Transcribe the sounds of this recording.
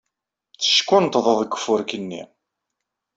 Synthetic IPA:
θə̥ʃkːʊnt̪ðˤəðˤəɡːə̥fːʊɾkənːḭ

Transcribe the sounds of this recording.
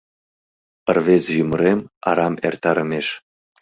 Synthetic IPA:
ə̆rvezjyməɾemɑ̰ɾɑmḛrt̪ɑɾəmeʃ

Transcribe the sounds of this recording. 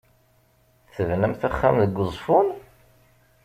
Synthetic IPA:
θəvnəmθæχːamðəɡʷːəzˤfʊn

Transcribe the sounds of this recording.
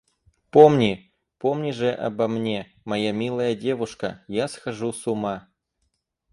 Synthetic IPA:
pomnʲi | po̞mnʲiʐɨʔɐ̰bɐmnʲe | mɐjamʲilˠəjədʲe̞vʊʂkə̰jasxɐʐusʊma

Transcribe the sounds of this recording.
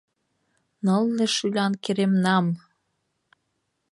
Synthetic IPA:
nɤlneʃylʲɑnkeɾemnɑm

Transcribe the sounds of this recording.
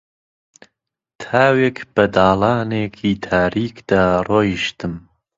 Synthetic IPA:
t̪ʰaːwekb̥ɐd̪aːlɑːneːkʰiːt̪ʰaːɾiːkd̪̥aːroːjiʃt̪ɨm

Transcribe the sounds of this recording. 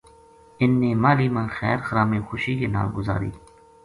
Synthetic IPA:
ɪnːiːmaːliːmãːnxɛ̰ːɾxəɾaːmiːxʊʃiːkena̰ːlɡʊza̰ːɾḭː

